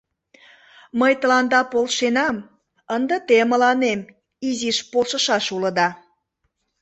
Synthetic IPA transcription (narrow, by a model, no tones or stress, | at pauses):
məjt̪ə̆lɑnd̪ɑpolʃenɑm | ənd̪ət̪eməlɑnem | iziʃpolʃəʃɑʃuləd̪ɑ